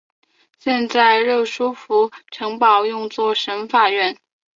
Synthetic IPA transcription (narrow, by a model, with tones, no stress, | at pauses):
ɕjɛ˥˧nt͡sa˥˧ɪɻɤ˥˩ʂu˥fu˧˥ʈ͡ʂʰɤ˧˥ŋpɑ˨˩ʊjʊ˥˧ŋt͡swɔ˥˩ʂə˧˥nfa˥˧˩ɥɛ˥˩n